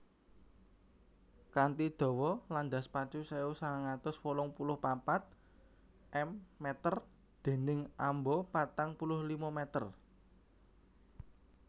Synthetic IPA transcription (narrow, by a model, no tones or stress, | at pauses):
kant̪id̪̥ɔ̤wɔland̪a̤spat͡ʃuseusaaŋat̪ʊswolɔŋpulʊhpapat̪̚ | ɛmːɛt̪ər | d̪̥e̤nɪŋʔambɔpat̪aŋpulʊhlimɔmɛt̪ər